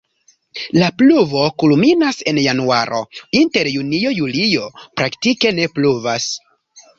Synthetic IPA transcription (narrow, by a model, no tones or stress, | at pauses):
lapluvo̞kulminase̞njanuaɾʔo̞̰inte̞ɾjunio̞julijo̞pɾaktike̞ne̞pluvas